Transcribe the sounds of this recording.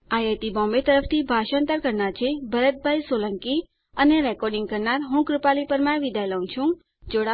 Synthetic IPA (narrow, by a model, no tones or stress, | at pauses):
ajət̪ibɔ̃mbet̪əɾəfʰt̪ʰibʱaʃə̃nt̪əɾkəɾnaɾt͡ʃʰebʱəɾət̪̚bʱajsoləŋki | əneɾɛkɔɾɖɪŋɡ̚kəɾnaɾɦũkɾupalipəɾmãʋid̪ajləũt͡ʃʰũ | d͡ʒoɽa